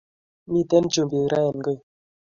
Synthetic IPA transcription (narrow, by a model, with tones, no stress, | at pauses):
mi˦t̪ɛ˦nd͡ʒu˨mbi˨ɾa˦jə˨nɡə˦˨